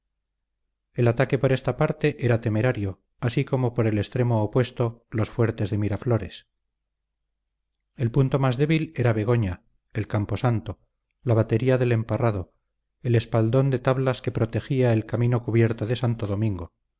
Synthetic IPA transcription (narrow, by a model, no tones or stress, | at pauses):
e̞lat̪ake̞po̞ɾe̞st̪apaɾt̪e̞ʔe̞ɾat̪e̞me̞ɾaɾjo̞ | asiko̞mo̞po̞ɾe̞le̞st̪ɾe̞moːpwe̞st̪o̞lo̞sfwe̞ɾt̪e̞zðe̞miɾafloɾes | e̞lpunt̪o̞mazðe̞βile̞ɾaβeɣ̞o̞ɲa | e̞lkampo̞sant̪o̞ | laβat̪e̞ɾiaðe̞le̞mparaðo̞ | ele̞spald̪o̞nd̪e̞t̪aβlaske̞pɾo̞t̪e̞xiaelkamĩno̞kuβjeɾt̪oðesant̪oðo̞mĩŋɡo̞